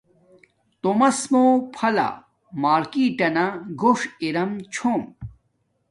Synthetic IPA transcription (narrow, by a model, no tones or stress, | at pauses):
t̪omɐsmopʰɐla̰ | maːɾkiʈɐnaɡoʂiɾɐmt͡ɕʰoːm